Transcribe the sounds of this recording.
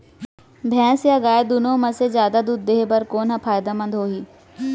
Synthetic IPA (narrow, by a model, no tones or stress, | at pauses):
bʱjɛ̃ːsjaːɡaːed̪ʊnõːmɐsezjaːd̪ad̪uːd̪̚ːeːɦbɐɾkoːnɦapʰaːjd̪amɐ̃nd̪ɦoːɦiː